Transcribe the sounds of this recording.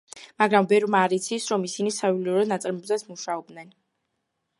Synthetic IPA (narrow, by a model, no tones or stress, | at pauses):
maɡɾambɛɾmaːɾit̪sʰisɾɔmisinisaviliuɾɔnat̪sʼɾmɛbzat̪sʰmuʃaɔb̚d̪nɛn